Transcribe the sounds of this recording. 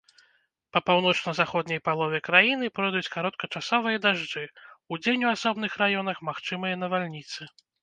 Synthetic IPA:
pɐpawn̪ɔt͡ʂnɐzaxɔd̪nʲɐjpalˠɔvʲɛkɾajinɨpɾɔd̪ut͡sʲkaɾɔt̪̚kɐt͡ʂasɔvɨjɐd̪aʐd͡ʐɨud͡zʲenʲuasɔbnɨxɾajɔnɐxmaxt͡ʂɨmɨjɐnɐvalʲnʲit̪sɨ

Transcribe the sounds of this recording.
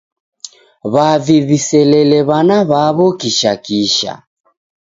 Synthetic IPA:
βaviβisɛlɛlɛβanaβaβɔkiʃakiʃa̰

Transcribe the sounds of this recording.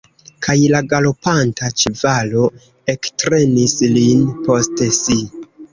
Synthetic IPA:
kʰajlaɡalo̞pantat͡ʃivalo̞ | e̞ktɾe̞nislinpo̞stesi

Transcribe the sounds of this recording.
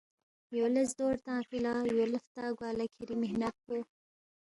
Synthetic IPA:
joləsd̪oɾt̪ɑ̃filɑjoləft̪ɑɡwɑːlakʰiɾimɪhnat̪̚ko

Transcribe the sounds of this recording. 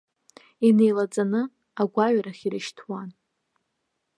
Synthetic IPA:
ine̞jlad͡zʼanɨ | aɡʷaɥɾaχʲiɾɨʃtʰwan

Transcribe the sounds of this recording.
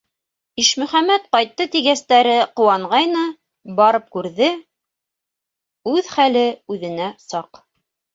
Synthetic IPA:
iʃmɵ̆χæmæt̪̚qɑjt̪ːɤt̪iɣæst̪æɾɘqŏwɑɴʁɑjnɤ | bɑɾɤp̚kʉɾðɘ | ʉðχælɘʉðɘ̆næsɑq

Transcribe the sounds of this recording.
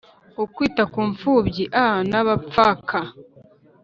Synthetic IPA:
okwiːtakuːɱfuːbɟiʔaanaβap͡fakʰa

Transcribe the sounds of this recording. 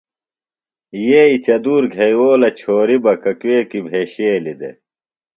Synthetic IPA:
jeːit͡ɕɐd̪uːɾɡʱejoːlɐt͡ɕʰoːɾibɐkɐkweːkibʱeːɕeːlid̪ḛ

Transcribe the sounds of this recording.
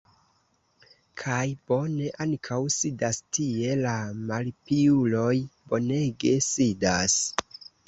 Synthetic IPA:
kʰajb̥o̞ne̞ʔankʰawsidastie̞lamalpiulo̞jbo̞ne̞ɡe̞sidas

